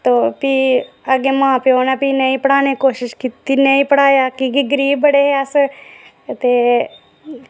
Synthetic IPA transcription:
t̪oːpi | ɐɡemãːpeoːnapinɐĩpɐɽaːnekoːʃɪʃkit̪inɐĩpəɽaːjakiɡɪɡɾiːbəɽeɦeɐs | t̪e

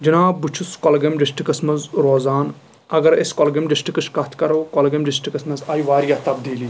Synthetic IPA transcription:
d͡ʒinaːbut͡ʃʰuskɔlɡɐmɖɪsʈikɐsmɐzɾoːzaːn | ɐɡɐɾeskɔlɡɐmɖɪsʈikɐʃkɐt̪ʰkɐɾoːkɔlɡɐmɖisʈikɐsmɐzaːjʋaːɾjaːt̪ɐbd̪iːliː

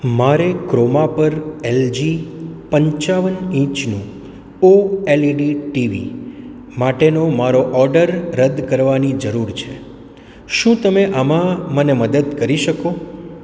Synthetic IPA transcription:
maɾekɾomapəɾeld͡ʒipəɲt͡ʃaʋənĩt͡ʃnũ | oeliɖiʈiʋḭ | maʈenomaɾoʔɔɾɖəɾːəd̪kəɾʋanid͡ʒəɾuɾt͡ʃʰe | ʃũt̪əmeʔamãməneməd̪əd̪kəɾiʃəko

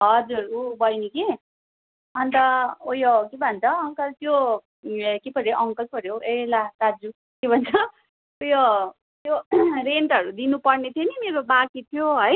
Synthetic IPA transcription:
ɦʌd͡zuɾubʌjnike | ʌnt̪ʌojokebʱʌnt͡sʰʌʌŋkʌlt̪jo | kepʌɾjoʔʌŋkʌlpʌɾjowelat̪ad͡zu | kebʱʌnt͡sʰʌ | ojo | t̪joreɳʈʌɾud̪inupʌrnet̪ʰjonimeɾobakit̪ʰjoɦʌj

